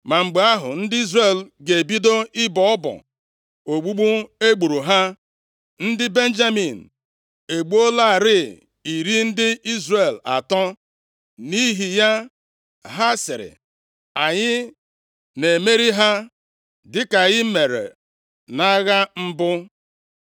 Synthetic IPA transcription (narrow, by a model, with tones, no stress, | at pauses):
ma˨ŋ͡m̩˨ɡ͡be˨˦a˦ɦʊ̰˨n̩˦dɪ˦i˦zre˨lɡe˨bi˦do˦ɪ˦bɔ˨ɔ˦bɔ̰˨ | o˨ɡ͡bu˦ɡ͡bu˦e˦ɡ͡bu˨ɾu˨ɦa˦ | n̩˦dɪ˦be˦n˦d͡ʒa˦mi˨n̩˨ | e˨ɡ͡bu˦o˦la˦˨ɾɪ˦ | i˨ɾi˦n̩˦dɪ˦i˦zre˨la̰˨tɔ˦ | ni˦ɦi˨ja˦ | ɦa˦sɪ˨ɾɪ̰˨ | a˨ɲɪ˦ | ne˨me˦ɾi˦ɦa˦ | dɪ˦ka˨ɣɪ˦me˨ɾḛ˨ | na˦ɣa˦m̩˦bʊ˦